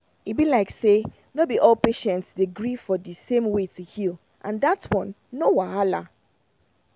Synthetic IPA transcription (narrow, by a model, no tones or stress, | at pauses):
ibilaɪkse | nobiʔɔlpeʃɛ̃ntsdeɡɹifɔdisẽmwetuhil | ʔã̰ndatwɔ̃nːowaala̰